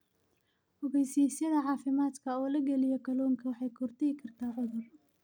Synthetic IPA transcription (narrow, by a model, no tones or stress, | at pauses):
hɔɣɛjsiːsjɐðɐʕɑːfɪmaːd̪kʰɐɔːlɐɡɛlɪjɔkʰɐlɔːŋkʰɐwɑħɑjkʰɔrt̪ʰɛjɪkʰɐrt̪ʰaːʕʊðʊl